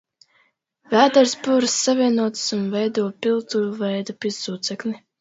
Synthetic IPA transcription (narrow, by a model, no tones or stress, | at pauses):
væːd̪ɛɾsbuɾsːavʲiɛnuɔt̪sunvɛjd̪uɔpilˠt̪uɾuvɛjd̪apʲizsuːt̪sɛkni